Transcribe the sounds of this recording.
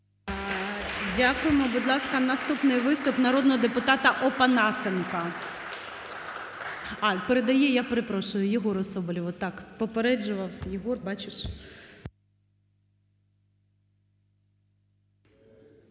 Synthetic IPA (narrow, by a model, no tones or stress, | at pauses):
dʲakʊjemɔbʊd̪lˠɑskɐnɐst̪upnɪjʋɪst̪ʊpnɐɾɔd̪nɔɦɔd̪epʊt̪ɑt̪ɐʔɔpɐnɑsenkɐ | ɑpeɾed̪ɐjɛjapeɾɪpɾɔʃʊjʊjɪɦɔɾɔsɔbɔlʲɪʋɔt̪ːɑkpɔpeɾɛd͡ʒʊʋɐwjɪɦɔrbɑt͡ʃɪʃ